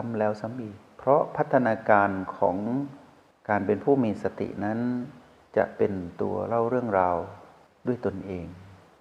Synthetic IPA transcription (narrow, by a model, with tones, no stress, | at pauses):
a˧˥mlɛː˦˥˩wsa˧˦mʔiː˧˨˩t̪̚pʰɾɔ˧˦˥pʰa˦˥t̪ʰːa˧naː˧kaː˧nkʰɔ̰ː˩˦ŋ | kaː˨˧npe˨npʰuː˥˩miː˧sa˧t̪ḭ˨ʔna˦˥n | t͡ɕa̰˧˩ʔpe˨nt̪ṵ˨˧˩ɐla˧˥˩wɾɯ˥˩əŋɾaː˧w | du˥˩əjt̪o˨nʔeː˨ŋ